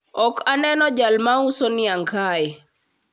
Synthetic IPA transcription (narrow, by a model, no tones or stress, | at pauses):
ɔkanɛnɔd͡ʒalmausɔniaŋkʰajɛ